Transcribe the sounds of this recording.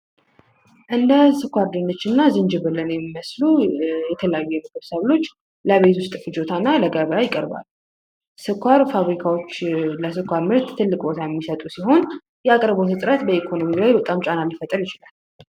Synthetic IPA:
ʔɨnd̪əsɨkʷaɾd̪ɨnːət͡ʃːɨnːazɨnd͡ʒɪβɨlːənjɛmːiməslujɛt̪ʰələjajːujɛməkəɾsəβlo̞t͡ʃː | ləβet̪wʊst̪ʼfɨd͡ʒot̪ʰanːaləɡəβəjajɪkʼəɾba̰l | sɨkʷʰːaɾfaβɾikʰawo̞t͡ʃːləsɨkʰʷːaɾmɨɾt̪t̪ʰːɨlːɨkʼbo̞t̪ʰajɛmːisət̪ʼusiɦo̞n | jɛakʼəɾbosʰɨt̪ʼɾət̪bəekʰo̞no̞milajbət̪ʼamt͡ʃʼanalifət̪ʼːəɾjɪt͡ʃɪlal

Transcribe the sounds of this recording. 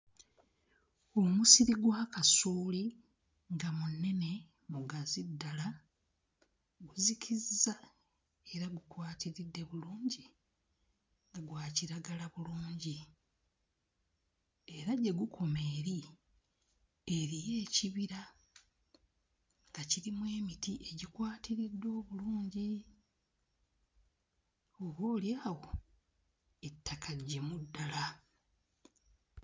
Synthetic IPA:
o̞musiɾiɡwaːkasuːli | ŋɡamunːe̞ne̞ | muɡazidːala | ɡuzikʰizːa | eɾaɡukwaːtiɾidːe̞βuluːɲɟi | ŋɡaɡwaːciɾaɡalaβuluːɲɟi | e̞ɾaɟe̞ɡukʰo̞me̞ːɾi | eɾije̞ːciβiɾa | ŋɡ̥aciɾimwe̞ːmitiʔe̞ɟikwaːtiɾidːo̞ːβuluːɲɟi | oβoːljaːɣo̞ | etːakʰaɟe̞mudːala

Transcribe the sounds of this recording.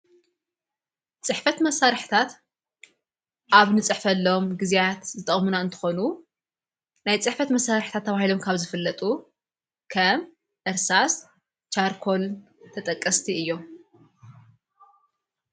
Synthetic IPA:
t͡sʼɨħfɐt̪mɐsːaɾħt̪ʰat̪ | ʔaβnɨt͡sʼɨħfɐlːoomɡɨzijat̪zɨt̪ʼɐχʼmunaɨnt̪ʰɨ̥xo̞nu | najt͡sʼɨħfɐt̪mɐsːaɾħt̪ʰat̪ʰːɐβahilo̞mkʰaβzɨfɨlːɐt̪ʼu | kʰɐm | ʔɨɾsas | t͡ʃaɾkʰo̞l | t̪ʰɐt̪ʼɐkʼːɐst̪ʰiɨjːo̞

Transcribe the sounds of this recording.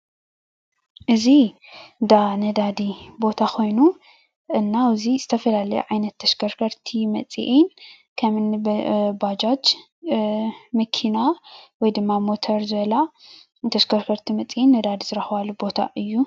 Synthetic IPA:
ʔɨzi | d̪anɐd̪ad̪ibo̞t̪ʰakʰo̞jnu | ʔɨnːawziz̥ɨt̪ʰɐfɐlalɐjṵʕajnɐt̪ʰːɐʃkʰɐɾkʰɐɾt̪ʰimɐt͡sʼḭʔin | kʰɐmɨnbad͡ʒat͡ʃ | mɐkʰinawɔjd̪ɨmːamot̪ʰɐɾzɨβɐla | t̪ʰɐʃkʰɐɾkʰɐɾt̪ʰimɐt͡sʼiʔinːɐd̪ad̪izɨɾɐxβalːubo̞t̪ʰa̰ʔɨjːu

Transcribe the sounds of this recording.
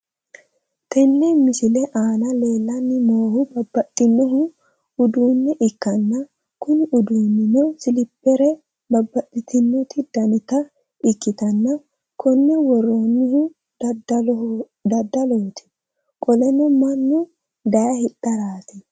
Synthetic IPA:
t̪ʰɛnːɛmɪsɪlɛʔaːnɐle̞ːlːɐnːɪmoːhʊbɐbːɐt̪ʼːɪnːɔɦʊ | ʊd̪uːnːɛʔɪkːɐnːɐ | kʊnɪʊd̪uːnːɪnɛwsɪlɪpːɛɾɛ | bɐbːɐt̪ʼːɪt̪ɪnːɔt̪ɪd̪ɐnɪt̪ɐ | ɪkːɪt̪ɐnːɐ | kʰɔnːɛwɔrːonːɪhʊ | d̪ɐd̪ːɐlɔɔt̪ɪ̥ | kʼɔlɛnɔmɐnːʊ | d̪ɐjɐhɪt̪ʼːɐɾaːt̪ɪ

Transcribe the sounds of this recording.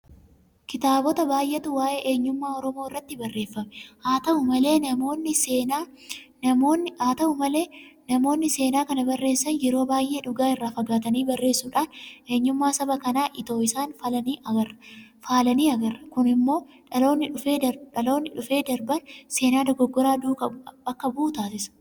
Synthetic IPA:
kɪt̪aːbɔt̪ɐbaːjʔet̪ʊwaːʔe̞ːʔeːɲːʊmːaːɔɾɔmoːɪrːɐt̪ːɪbɐrːe̞ːfːɐmɛhaːt̪ɐʔʊmɐle̞ːɐmoːnːɪeːna | ɐmonaːt̪ɐʔʊmɐle̞ːnɐmo̞ːnːɪse̞ːnaːkɐnɐbɐrːeːsːɐnjɛɾo̞ːbaːjʔe̞ːᶑʊɡaːɪrːaːfɐɡaːt̪ɐniːbɐrːe̞ːsːuːᶑaːnʔe̞ːɲːʊmːaːsɐbɐkɐnaːʔɪt̪o̞ːɪsaːnfɐlɐniːʔɐɡɐrɐfaːlɐniːɐɡɐrːɐkʊnɪmːo̞ː | ᶑɐlo̞ːnːɪᶑʊfe̞ːd̪ɐᶑɐlo̞ːnːɪᶑʊfe̞ːd̪ɐɾbɐnse̞ːnaːd̪ɐɡɔɡːɔɾaːd̪uːkɐɐkːɐbʊt̪aːsɪsɐ̥

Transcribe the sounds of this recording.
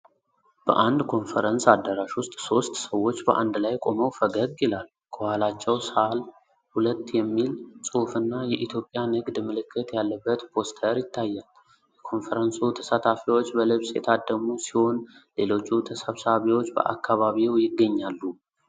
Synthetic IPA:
b̥ə̰ʔand̪kʰo̞nfəɾənsad̪ːəɾaʃwʊst̪ʼso̞st̪səwːo̞t͡ʃːbəʔa̰nd̪lajkʼo̞məwfəɡəɡɪlal | kʰəhalat͡ʃːɛwsal | hulət̪ːjɛmːilsʼufɨnːajɛʔit̪ʰjopʼjanɨɡd̪mɨlɨkʰːɨt̪jalːəbːət̪pʰo̞st̪ʰəɾjɪt̪ʰːajːal | jɛkʰo̞nfəɾənsut̪ʰə̥sat̪ʰafiwo̞t͡ʃːbəlɨβsjɛ̰t̪ʰad̪əmusiho̞nle̞lo̞t͡ʃːut̪ʰəsəβsaβiwot͡ʃːbə̰ʔa̰kːaβaβiwjɪɡːəɲːalːu

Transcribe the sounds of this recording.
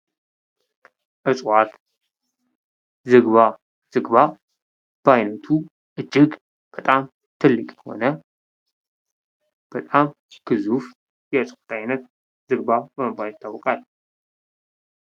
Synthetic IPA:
ʔɨsʼwat̪ | zɨɡβa | z̥ɨɡβa | b̥əajnɐt̪ʰu | ʔɨd͡ʒːɪɡ | b̥ət̪ʼam | t̪ʰɨlːɨkʼjɛho̞̰nə | b̥ət̪ʼam | kɨzuf | jɛɨsʼwḁt̪ʰajnət̪̚ | zɨɡbabəməbajɪt̪ʰːawɔkʼal

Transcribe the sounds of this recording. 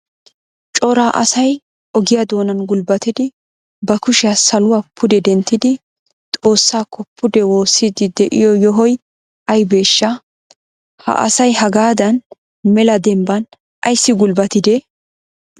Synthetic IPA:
t͡ʃʼɔɾaːʔɐsɐj | ʔɔɡɪjad̪o̞ːnɐnɡʊlbɐt̪ɪd̪ɪ | bɐkʊʃɪjasɐlʊwaːpʰːʊd̪ɛd̪ɛnt̪ːɪd̪ɪ | t̪ʼo̞ːsːaːkːɔpʰːʊd̪ɛwo̞ːsːid̪ɪd̪ɛʔɪ̰jɔjɔɦɔj | ʔɐjbe̞ːʃːɐ | hɐ̰ʔɐ̰sɐjɦɐɡaːd̪ɐn | mɛlɐd̪ɛmbɐn | ʔɐjsːɪɡʊlbɐt̪ɪd̪ɛ

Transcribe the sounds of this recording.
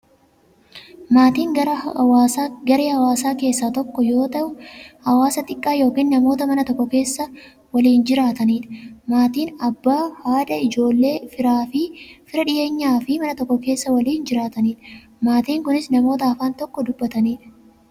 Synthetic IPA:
maːt̪iːŋː | ɡɐɾeːhɐwaːsaːke̞ːsːaːt̪ɔkːɔjo̞ːt̪ɐʔʊhɐwaːsɐt̪ʼɪkʼːaːjo̞ːkiːnːɐmo̞ːt̪ɐmɐnɐt̪ɔkːɔke̞ːsːɐ | wɐliːnd͡ʒɪɾaːt̪ɐniːᶑɐ̥maːt̪iːnɐbːaːhaːd̪ɐɪd͡ʒo̞ːlːe̞ːfɪɾaːfɪfɪɾɐᶑɪʔe̞ːɲːaːfɪmɐnɐt̪ɔkːɔke̞ːsːɐwɐliːnd͡ʒɪɾaːt̪ɐniːᶑɐ̥ | maːt̪iːŋkʊnɪsnɐmo̞ːt̪ɐɐfaːnt̪ɔkːɔd̪ʊbːɐt̪ɐniːᶑɐ̥

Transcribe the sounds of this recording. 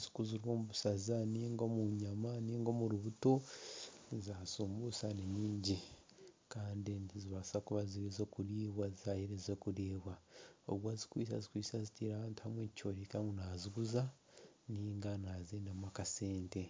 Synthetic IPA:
zi̥kuziɾwo̞ːmuβusazaniːŋɡo̞muɲamaniːŋɡo̞muɾuβuto̞ | zasuːmbusaneniːɲɟi | kaːndeniziβasakuβaziβizoːkuɾiːβwazzaheɾezokuɾeːβwao̰βwazi̥kwiːs̬a̰zikwiːsazitiːɾaβaːntu̥hamweccoɾikamɡunaziɡuza | niːŋɡanazeːndamwakase̞ːnte̞

